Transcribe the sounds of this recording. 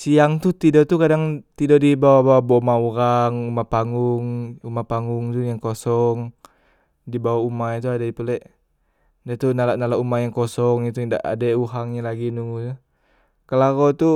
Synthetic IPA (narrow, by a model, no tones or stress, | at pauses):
siaŋt̪uht̪idɔʔt̪ukadaŋt̪idɔʔdibawabawabomauɾaŋumapaŋɡuŋumapaŋɡuŋt̪ujaŋkosɔŋ | dibawaumait̪̬uadaipulɛʔ | dat̪unalaʔnalaʔumajaŋkɔsɔŋit̪uda̰ʔa̰dauɦaŋɲalaɡinut̪u | kəlaɾɔt̪u